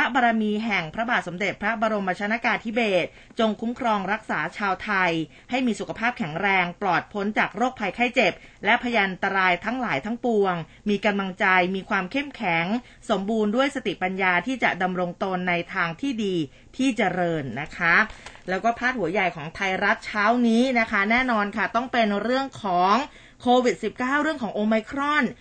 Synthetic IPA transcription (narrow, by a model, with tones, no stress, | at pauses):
ɾa˦˥baː˧ɾa˧miː˧ɦɛ˨˩ŋpʰɾa˦˥baː˨˩t̪̚so˩˦mde˨˩t̪̚pʰɾa˦˥baː˧ɾo˧mba˧t͡ɕʰa˧˥na˦˥kaː˧nt̪ʰi˦˥beː˨˩t̪̚ | t͡ɕo˧ŋkʰu˦˥mkʰɾɔː˧ŋɾa˦˥k̚saː˩˦t͡ɕʰaː˧wt̪ʰa˧j | ha˥˩jmiː˧su˨˩kʰa˧pʰaː˥˩p̚kʰɛ˨˩˦ŋɾɛː˧ŋplɔː˨˩t̪̚pʰo˦˥nt͡ɕaː˨˩k̚ɾoː˥˩k̚pʰa˧jkʰa˥˩jt͡ɕe˨˩p̚lɛ˦˥ʔpʰa˧ja˧ʔa˧nt̪a˧ɾaː˧jt̪ʰa˦˥ŋlaː˩˦jt̪ʰa˦˥ŋpu˧əŋ | miː˧ka˧mla˧ŋt͡ɕa˧jmiː˧kʰwaː˧mkʰe˥˩mkʰɛ˨˩˦ŋ | so˩˦mbuː˧ndu˥˩əjsa˧t̪i˨˩ʔpa˧njaː˧t̪ʰiː˥˩t͡ɕa˨˩da˧mɾo˧ŋt̪oː˧nːa˧jt̪ʰaː˧ŋt̪ʰiː˥˩diː˧ | t̪ʰiː˥˩t͡ɕa˧ɾɤː˧nːa˦˥kʰa˦˥lɛː˦˥wkɔː˥˩pʰaː˥˩t̪̚hu˩˦ɐja˨˩jkʰɔː˩˦ŋt̪ʰa˧jɾa˦˥p̪̚t͡ɕʰaː˦˥wniː˦˥na˦˥kʰa˦˥nɛː˥˩nɔː˧nkʰa˥˩t̪ɔ˥˩ŋpe˧nɾɯ˥˩əŋkʰɔː˩˦ŋ | kʰoː˧wi˨˩t̪̚si˨˩p̚kaː˥˩wɾɯ˥˩əŋkʰɔː˩˦ŋʔoː˧ma˧jkʰɾɔ˥˩n